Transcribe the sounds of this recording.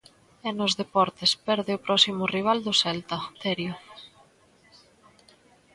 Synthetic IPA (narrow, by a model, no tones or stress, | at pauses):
ɛnʊzðepɔɾt̪espɛɾðɪʊpɾʔɔsimʊriβ̞ald̪ʊsɛlt̪ɐt̪ɛɾjʊ